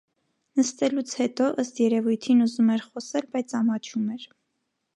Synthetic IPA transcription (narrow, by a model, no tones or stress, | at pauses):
nəst̪ɛlut͡sʰhɛt̪ɔʔəst̪jɛɾɛvujt̪ʰinuzumɛɾχɔsɛlbɑjt͡sʰɑmɑt͡ʃʰumɛɾ